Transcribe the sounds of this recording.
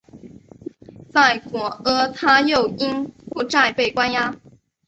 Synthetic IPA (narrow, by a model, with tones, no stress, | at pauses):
t͡sa˥˩ɪkwɔ˧˥ɤ˧˥t̪ʰa˥jo˥˩ʊi˥npu˥˧˩ʈ͡ʂa˥˧ɪpe˥˩ɪkwa˥nja˥